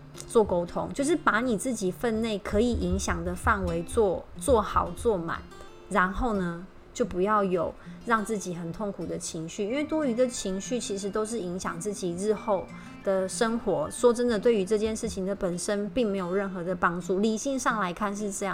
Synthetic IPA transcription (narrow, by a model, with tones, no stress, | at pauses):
t͡swɔ˥˩ko˥ʊt̪ʰo̰˦˥ŋt͡ɕjo˥˧ʊʂ̬ɻ̩˥˩pa˧˥ni˨˩t͡sɹ̩˥˩t͡ɕi˨˩fə˥˧nne˥˩ɪkʰɤ˧˥i˨˩ʔi˧˦˥ŋɕjɑ˨˩ŋd̪ə˩fa˥˩nwe˧˥ɪt͡swɔ˥˧t͡swɔ˥˩xɑ˨˩ʊt͡swɔ˥˩ma̰˨˩˦n | ɻa˧˦˥nxo˥˩ʊnə˦ | t͡ɕjo˥˩ʊpu˧˥jɑ˥˩ʊjo˨˩ʊɻɑ˥˧ŋt͡sɹ̩˥˩t͡ɕi˨˩xə˨˩nt̪ʰo˥˩ŋkʰu˨˩d̪ə˦t͡ɕʰi˧˥ŋɕy˥˨i˥nwe˥˩ɪt̪wɔ˥y˧˥d̪ə˨t͡ɕʰi˧˥ŋɕy˥˩t͡ɕʰi˧˥ʂɻ̩˧˥t̪o˥ʊʂ̬ɻ̩˥˩i˧˥ŋɕjɑ̰˨˩ŋt͡sɹ̩˥˩t͡ɕi˨˩ɻ̩˥˧xo˥˩ʊ | d̪̥ə˨ʂə˥ŋxwɔ˧˥ʂwɔ˥ʈ͡ʂə˦˥nd̪ə˨t̪we˥˩ɪy˧˥ʈ͡ʂɤ˥˧t͡ɕjɛ˥˧nʂɻ̩˥˩t͡ɕʰi˨ŋd̪ə˩pə˨˩nʂə˦npi˥˩ŋme˧˥ɪjo˨˩ʊɻə˥˩nxɤ˧˥d̪ə˨pɑ˥ŋʈ͡ʂu˥˩li˨˩ɕi˥˧ŋʂɑ˥˩ŋla˧˥ɪkʰa˥˧nʂ̬ɻ̩˥˧ʈ͡ʂɤ˥˧jɑ˥˨ŋ